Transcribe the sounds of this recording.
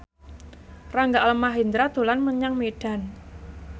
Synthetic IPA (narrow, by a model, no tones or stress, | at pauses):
raŋɡaləmaɦind̪ɾad̪̥o̤lanməɲaŋmeɖ̥a̤n